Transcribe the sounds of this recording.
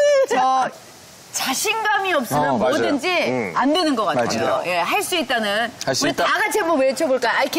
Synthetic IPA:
t͡ɕʌ | t͡ɕaɕʰinɡamiʌp̚s͈ɯnɯnmodɯnd͡ʑiandwe̞nɯnɡʌk͈attejoje̞ɦaɭs͈uit̚t͈anɯnuɾitaɡat͡ɕʰemʌmeɭt͡ɕʰʌboɭk͈ajajkʰ

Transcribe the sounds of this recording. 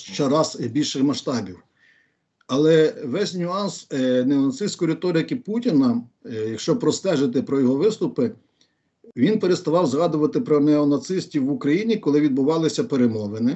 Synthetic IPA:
ʃt͡ʃɛɾɑzbʲilʲʃɪxmɐʃt̪ɑbʲiw | ɐlˠɛʋɛsʲnʲʊɑnsnɛɔnɐt̪sɪsʲkɔjɾɪt̪ɔɾɪkɪputʲinɐjɐkʃt͡ʃɔpɾɔst̪ɛʒɪt̪ɪpɾɔjɔɦɔʋɪst̪ʊpɪ | ʋʲinpeɾest̪ɐʋɑwzɦɑd̪ʊʋɐt̪ɪpɾɔnɛɔnɐt̪sɪsʲtʲiwːʊkɾɐjinʲikɔlˠɪʋʲid̪bʊʋɑlˠɪsʲɐpeɾemɔʋenɪ

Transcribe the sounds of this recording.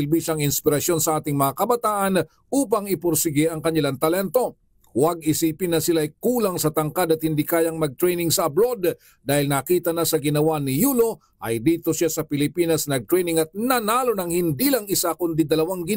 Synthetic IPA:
ɪlbiʃaŋɪnspɪɾɐsjo̞nsɐʔaːt̪ɪŋmɐŋakɐbɐt̪aːʔɐn | ʔuːp̬ɐŋɪpʊɾsɪɡɪʔɐŋkɐɲɪlaŋt̪ɐlɛnt̪o̞ | wɐɡ̚ɪsiːpɪnːɐsɪlaːjkuːlɐŋsɐt̪ɐŋkad̪ɐt̪̚hɪnd̪ikaːjɐŋmɐɡ̚t̪ɾɛjnɪŋsɐɐbɾo̞d̪ | d̪aːhɪlnɐkiːt̪ɐnɐsɐɡɪnɐwanɪjuːlo̞ | ʔɐ̰jd̪iːt̪o̞sasɐpɪlɪpiːnɐsnɐɡ̚t̪ɾɛjnɪŋɐt̪̚nɐnaːlo̞nɐŋhɪnd̪ilɐŋɪsakʊnd̪id̪ɐlɐwaŋɡɪn

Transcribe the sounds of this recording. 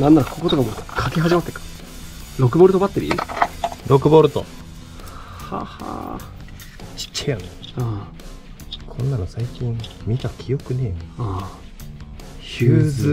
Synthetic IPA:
nãnːaɾakʰokot̪okamoːkʰakeɦaʑimat̪ːekḁ | ɾo̞kɯ̟bo̞ɾt̪obat̪ːeɾʲḭ | ɾo̞kɯ̟bo̞ːɾɯt̪o̞̰ | ha̰ha̰ | t͡ɕi̥t͡ɕt͡ɕːajonea | kʰõ̞nːanosaikʲĩmmʲit̪akʲʰijo̞kɯ̟nea | çɯːzɨ

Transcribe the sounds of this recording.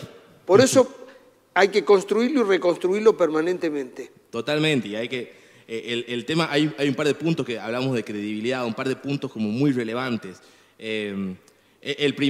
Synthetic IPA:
poɾeso | ajkeko̞nst̪ɾuiɾloireko̞nst̪ɾuiɾlopeɾmanẽnt̪emẽnt̪e | t̪ot̪almẽnt̪eiajke | eʔelelt̪emaʔajuajumpaɾð̞epunt̪oskeaβlamozðe̞kɾeðiβ̞iliðaumpaɾðepunt̪o̞sko̞mo̞mujrele̞βant̪es | em | eʔelpɾi

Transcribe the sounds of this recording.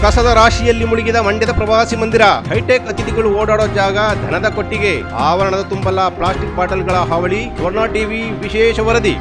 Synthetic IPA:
kɐsɐd̪ɐɾaːʃijɐlːimuɭiɡid̪ɐmɐɳɖjɐd̪ɐpɾɐʋaːsimɐnd̪iɾɐɦɐjʈeːkɐt̪id̪iɡɐɭuoːɽaːɽoːd͡ʒaːɡɐd̪ʱɐnɐd̪ɐkoʈːiɡe̞ | aːʋɐɾɐɳɐd̪ɐt̪umbɐlɐpɭaːsʈik̚baːʈɐlɡɐɭɐɦɐʋɐɭiɡɐʋɐɾnaːʈiːʋi | ʋiʃɛːʂɐʋɐɾɐd̪i

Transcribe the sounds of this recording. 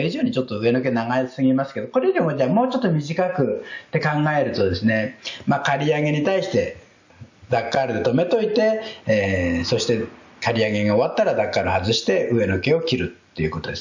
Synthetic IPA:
iʑo̞ːɲ̟it͡ɕo̞t̪ːo̞ɯ̟e̞no̞k̬e̞naɡaeɨ̥sɨɡʲimasɨ̥ke̞d̪o̞ko̞ɾe̞joɾʲimod͡ʑeamo̞ːt͡ɕo̞t̪ːo̞mʲiʑikakɯ̟t̪ːe̞kãŋɡae̞ɾɯ̟t̪o̞d̪e̞sɨne̞makaɾʲiaɡe̞ɲ̟it̪aiɕi̥t̪e̞ | d̪akːaɾɯ̟d̪e̞t̪o̞me̞t̪o̞it̪e̞ː | so̞ɕi̥t̪e̞ | kaɾʲiaɡe̞ɡaoβat̪ːaɾad̪akːaɾɯ̟hazɨɕi̥t̪e̞ʔɯ̟e̞no̞ke̞o̞kʲiɾɯ̟t̪ːe̞jɯ̟̰ko̞t̪o̞d̪e̞s

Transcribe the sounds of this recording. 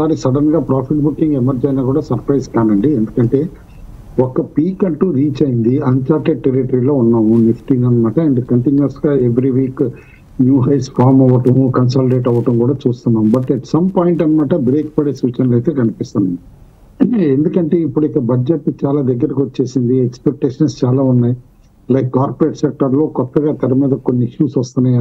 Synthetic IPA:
aːɾisɐɽɐnɡaːpɾaːpʰiʈ̚bukːiŋɡemɐɾd͡ʒɐjnaːkuːɽaːsɐɾpɾɐjskaːnɐɳɖiend̪ukɐɳʈe̞ː | ɔkːɐpiːkɐɳʈuːɾiːt͡ʃɐjind̪iɐɲt͡ʃaːʈeɖʈeɾiʈɐɾiːlo̞ːunːaːmunifʈiŋɡɐnmaːʈɐend̪ikɐɳʈinjuɐsʈɡaːeʋɾiʋiːk | njuːɦɐjspʰaːɾmɐʋːɐʈɐmukɐns̬aːlɖeːʈɐʋɐʈɐmkuːɽaːt͡ʃuːst̪unːaːmbɐʈɛʈsɐmpaːjiɳʈɐnmaːʈɐbɾeːk̚pɐɽeːsuːt͡ʃɐnɐleːt̪eːkɐnipist̪unːɐ | end̪ukɐɳʈeːipːuɽuikɐbʱɐd͡ʒeʈːt͡ʃaːlaːd̪ɐɡːɐɾikʋot͡ʃːe̞ːsind̪iekspek̚ʈeːʂɐnst͡ʃaːlaːunːaːji | lɐjkːaːɾpɐɾeːʈsek̚ʈɐɾlo̞ːkɔt̪ːɐɡaːt̪ɐɾɐmiːd̪ɐkonːiiʃjuːsʋɐst̪ɐnɐj

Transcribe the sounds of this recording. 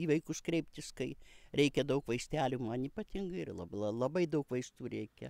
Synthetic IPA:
iʋɐɪkʊskɾʲɛɪp̚ʲt̪ʲɪskɐɪɾʲɛɪkʲɛd̪ɐʊkʋɐɪsʲt̪ʲæːlʲuːmɐniːpɐt̪ʲɪŋɡɐɪɪrlˠɐ̰bˠɐlˠɐbɐɪd̪ɐʊkʋɐɪst̪uːɾʲɛɪkʲɛ

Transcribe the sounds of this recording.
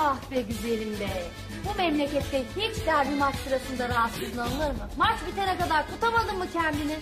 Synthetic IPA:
aht̪vɛɟyzelʲimd̪ɛ | bumɛmlʲecɛt̪ːɛhit͡ʃd̪æɾbimat͡ʃsɯɾasɯnd̪aɾaɦat̪sɯzɯnanɯlˠɯɾmɯmat͡ʃbit̪ʰenɛkad̪aɾkʰut̪ʰamad̪ɯmmːucʰɛnd̪ini

